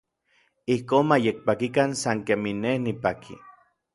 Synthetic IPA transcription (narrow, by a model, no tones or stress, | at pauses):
ihkoːnmajek̚pakikansaŋkeminːehnipakʰḭ